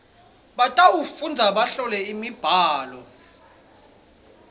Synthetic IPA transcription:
ɓatʼaufund͡zʱaɓaɬɔlɛimib̥ʱaːlɔ

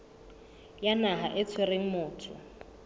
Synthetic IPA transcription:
janaɦaʔɪt͡sʰwɛreŋ̩mʊːtʰʊ̰

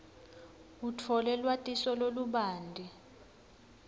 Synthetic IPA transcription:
ut͡fʰɔlɛlwatʼisɔloluɓaːndʱi

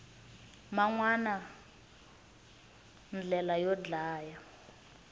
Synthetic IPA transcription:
maŋwana | nd͡ɮɛlajɔd͡ɮaːja

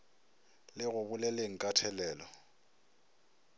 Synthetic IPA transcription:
lɪɣʊbʊlɛleŋ̩kʼatʰɛlɛːlɔ

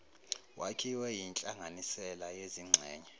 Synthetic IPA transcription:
wʔakʰiwɛjint͡ɬʼaŋʱanisɛlajeziŋ͡ǀʱɛːɲɛ

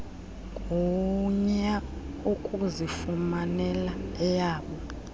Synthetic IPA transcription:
k̬ʼuɲɛ | ukʼuzifumanɛlaɛjaːɓɔ

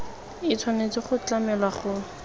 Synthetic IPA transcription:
ɪt͡sʰwanet͡sɪχʊt͡ɬamɛlwaχʊ

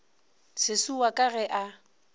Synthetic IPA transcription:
sɪsuwakʼaɣɛʔa

